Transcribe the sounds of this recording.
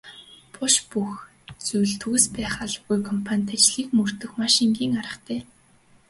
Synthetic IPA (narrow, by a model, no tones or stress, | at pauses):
pʰʊʃpux | t͡sujɮt̪ɣuspæːχaɮə̆ɣujkʰɔmpʰanʲt̪at͡ɕɮiːkmɵr̥t̪ɵ̆xmaʃiŋɡʲiːŋaɾə̆χt̪ʰæː